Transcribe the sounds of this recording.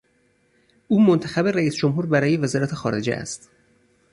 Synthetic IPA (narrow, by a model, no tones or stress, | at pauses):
ʔuːmont̪ʰæxæbe̞ɾæiːsd͡ʒomɦuːɾbæɾɒːjevezɒːɾæt̪ʰe̞xɒːɾe̞̰d͡ʒeʔæ̰st̪